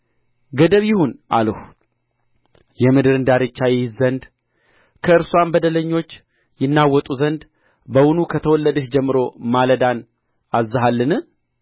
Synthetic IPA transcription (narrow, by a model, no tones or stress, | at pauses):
ɡəd̪əβjɪhunʔa̰ləh | jɛmɨd̪ɨɾɨnd̪aɾɨt͡ʃːajɛɪzənd̪ | kʰəɨɾsuanbəd̪ələɲːo̞t͡ʃː | jɪnːawːɔt̪ʼuzənd̪ | bəwunukʰət̪ʰəwɔlːəd̪ɨhd͡ʒɛmːɨɾo̞maləd̪an | azːaɦalːɨnɨ